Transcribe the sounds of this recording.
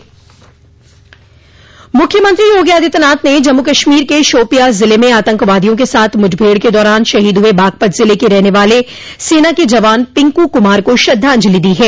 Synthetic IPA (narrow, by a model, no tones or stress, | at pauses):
mʊkʰːjəmə̃nt̪ɾijoːɡjaːd̪ʱɪt̪naːt̪ned͡ʒɐmːukɐʃmiːɾkeʃoːpijazɪlemẽaːt̪ə̃ŋkʋaːd̪ijõk̬esaːt̪ʰmʊd͡ʒʱbʱeːɽked̪ɔːɾaːnʃɐɦiːd̪ɦʊebʱaːɡ̚pət̪ʰzɪlekeɾɛɦneʋaːle | seːnaked͡ʒɐʋaːnpɪ̃ŋkukʊmaːɾkoʃɐd̪ʱːaɐ̃ɲd͡ʒlid̪iɦɛː